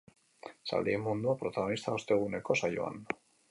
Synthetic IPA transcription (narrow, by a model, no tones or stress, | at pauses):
sa̰ld̪eemːund̪uapɾo̞t̪aɣo̞nist̪aost̪e̞ɣ̞une̞ko̞sajo̰a̰n